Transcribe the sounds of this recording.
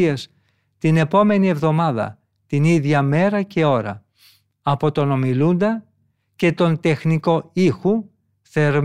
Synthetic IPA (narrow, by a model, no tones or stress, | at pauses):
es | t̪ine̞po̞me̞nie̞vðo̞mɐðɐ̰ | t̪iniðʝɐme̞ɾɐce̞o̞ɾɐ̰ | ɐpo̞t̪o̞no̞milund̪ɐ | ce̞t̪o̞nt̪e̞xniko̞ixu | θeɾ